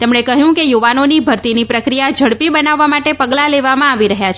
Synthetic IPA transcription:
t̪emɳekəɦjũkejuʋanonibʱəɾt̪inipɾəkɾijad͡ʒʱəɽpibənaʋːamaʈepəɡlaleʋamãaʋiɾəɦjat͡ʃʰ

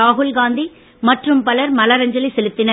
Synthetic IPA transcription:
aːɦʊlɡaːnd̪i | mɐʈrɯmpɐlɐɾmɐlɐɾɐɲd͡ʒɐlisɛlɯt̪ːɪnɐ

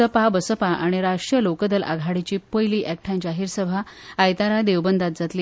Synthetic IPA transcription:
əpabəsəpaʔaɽ̃iɾaʂjəlokəd̪əlʔa̰ɡʱaɽit͡ɕiːpəjliːʔɛk̚ʈʰãɲd͡ʑaɦiːɾsəbʱaajt̪aɾad̪eʋbənd̪at̪̚d͡zat̪li

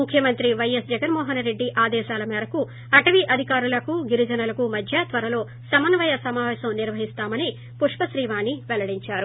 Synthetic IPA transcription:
mukʰjɐmɐnt̪ɾiʋɐjɐsd͡ʒɐɡɐnmɔːɦɐnɾe̞ɖːiʔaːd̪ɛːʃaːlɐmɛːɾɐku | ɐʈɐʋiʔɐd̪ʱikaːɾulɐkuɡiɾid͡ʒɐnɐlɐkumɐd̪ʱjat̪ʋɐɾɐlo̞ː | sɐmɐnɐʋɐjɐsɐmaːʋɛːʃɐmniɾʋɐɦist̪aːmɐni | puʂpɐʃɾiːʋaːniʋɛlɐɽiɲt͡ʃaːɾu

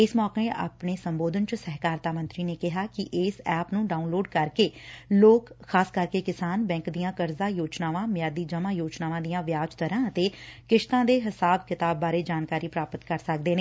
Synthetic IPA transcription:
ɪsmɔːkẽːʔa̰ːpɳeːsəmboːd̪ənt͡ʃəsɛɦkaːɾt̪aːmə̃nt̪ɾiːneːkɪɦaːkɪʔɪsɛːpnũːɖaːunloːɖkəɾkeːloːkxaːskəɾkeːkɪsaːnbɛ̃ːŋkd̪ijãːkəɾzaːjoːd͡ʒnaːʋãːmjaːd̪iːd͡ʒəʋãːjoːd͡ʒnaːʋãːd̪ijãːʋjaːd͡ʒt̪əɾãːət̪eːkɪʃt̪ãːd̪eːɦɪsaːbkɪt̪aːbːaːɾeːd͡ʒaːnkaːɾiːpɾaːpət̪kəɾsək̚d̪eːneː

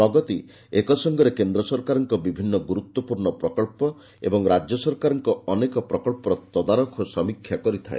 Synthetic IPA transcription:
ɾɔɡɔt̪i | ekɔsɔŋɡɔɾekend̪ɾɔsɔɾkaɾɔŋkɔbibʱinːɔɡuɾut̪wɔpuɾɳɔpɾɔkɔɭpɔ | ḛbɔŋɾad͡ʒjɔsɔɾkaɾɔŋkɔɔnekɔpɾɔkɔɭpɔɾɔt̪ɔd̪aɾɔkʰɔsɔmikʰjakɔɾit̪ʰaḛ

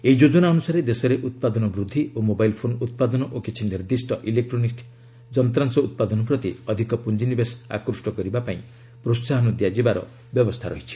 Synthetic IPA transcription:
eid͡ʒod͡ʒɔnaɔnusaɾed̪esɔɾeʔut̪̚pad̪ɔnɔbɾud̪ʱːiʔomobailpʰonut̪̚pad̪ɔnɔʔokit͡ʃʰiniɾd̪isʈɔʔilek̚ʈɾɔnik | d͡ʒɔnt̪ɾansɔut̪̚pad̪ɔnɔpɾɔt̪iɔd̪ʱikɔpund͡ʒinibesa̰kɾusʈɔkɔɾibapaĩ | pɾosaɦɔnud̪jad͡ʒibaɾɔ̰ | bjɔbɔst̪ʰaɾɔɦit͡ʃʰi̥

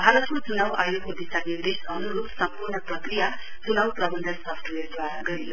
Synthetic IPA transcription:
bʱaɾʌt̪kot͡sunawʔajokod̪isanid̪esʌnuɾupsʌmpurnʌprʌkɾija | t͡sunawprʌbʱʌnd̪ʱʌsʌpʰʈeɾd̪aɾaɡʌɾio

